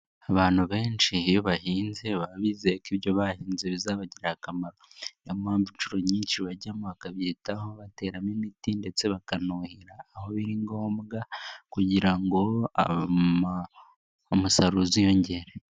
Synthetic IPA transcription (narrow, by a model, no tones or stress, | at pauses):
aβaːn̥huβe̞ːnt͡ʃijoβahiːnzeβaββiːzekiβjo̞βahiːnzeβizaːβaɟiɾahakamaɾo̞nemhaːɱvut͡ʃuɾo̞ɲiːnʃiβaɟamoβakaβjitahoβate̞ːɾaminitinde̞t͡se̞βakanuhiɾaːho̞βiɾiŋɡo̞ːmɡakuɟiɾaŋɡo̞a̰ | omusaɾuzijo̞ɲɟe̞ɾe